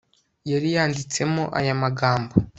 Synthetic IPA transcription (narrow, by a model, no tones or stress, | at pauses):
jaɾijaːndit͡se̞moʔa̰jamaɡaːmbo